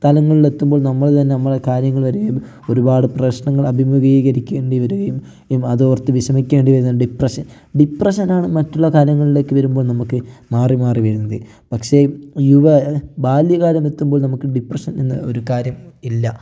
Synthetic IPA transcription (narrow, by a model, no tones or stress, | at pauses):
t̪ɐlɐŋːɐɭile̞t̪ːumbo̞ːɭnɐmːɐɭt̪ɐnːeɐmːɐɭekaːɾjɐŋːɐɭʋɐɾuɐjum | o̞ɾubaːɽɨprɐɕɳɐŋːɐɭɐbʱimuɣiɣɐɾikʲːe̞ːɳɖiʋɐɾuɣɐjum | umɐðoːʋrt̪ːɨʋiʂɐmikʲːeːɳɖiʋɐɾunːɖiprɐʂɐn | ɖiprɐʂɐnaːɳɨmɐtːuɭːɐkaːɾjɐŋːɐɭile̞ːkːɨʋɐɾumbo̞ːɭnɐmukːɨmaːrimaːriʋɐɾunːɐðɨ | pɐkʂe̞juʋɐbaːljɐɣaːɾjɐme̞t̪ːumbo̞ːɭnɐmukːɨɖiprɐʂɐninːɨ̰o̞ɾukaːɾjɐmilːɐ